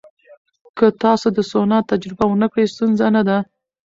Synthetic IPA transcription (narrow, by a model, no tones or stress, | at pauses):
kət̪ɑsod̪əsonɑt̪ːad͡ʒɾɪbawənəkɽəjst̪unzanad̪a